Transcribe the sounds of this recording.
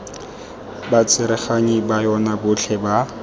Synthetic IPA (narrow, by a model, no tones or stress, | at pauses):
bat͡sʰɪɾɛχaɲibajɔnabʊɬʰɛba